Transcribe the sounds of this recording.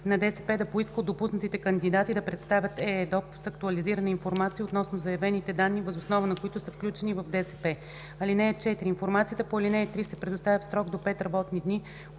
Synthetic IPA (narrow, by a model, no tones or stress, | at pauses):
nɐd̪ɛsɛpɛd̪ɐpoiskəlˠd̪opusnət̪it̪ɛkɐnd̪id̪at̪id̪ɐpɾɛt̪st̪avʲət̪ɛd̪ɔpsɐkt̪uɐliziɾənəinfoɾmat̪sijəot̪nɔsnozɐjɐvɛnit̪ɛd̪anːivɐzosnɔvənɐkoit̪ʊsəfklʲut͡ʃɛnivɐvd̪ɛsɛpɛ | ɐlinɛɛt͡ʃɛt̪iɾiːnfoɾmat̪sijət̪əpoɐlinɛɛt̪ɾisɛpɾɛd̪ʊst̪avʲəfsɾɔɡd̪opɛt̪ɾɐbɔt̪nid̪ni